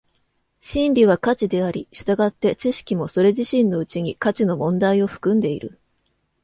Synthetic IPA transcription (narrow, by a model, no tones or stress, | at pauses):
ɕĩnɾʲiβ̞akat͡ɕid̪e̞aɾʲiɕɨ̥t̪aɡat̪ːe̞t͡ɕiɕi̥kʲimo̞so̞ɾe̞ʑiɕĩnːo̞ɯ̟t͡ɕiɲ̟ikat͡ɕino̞mõ̞nd̪aio̞ɸɯ̟̥kɯ̟̃nd̪e̞ḭɾɯ̟̰